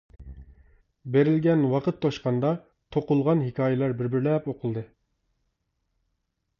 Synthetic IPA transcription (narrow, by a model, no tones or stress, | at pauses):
beɾɪlɡʲɛnwɑqʰət̪ʰːoʃqɑnd̪ɑ | t̪ʰoqʊlˠʁɑnɦɪkʲʰɑːjɪlˠɑɾbɪɾbɪɾlɛpoqʰʊlˠd̪ɨ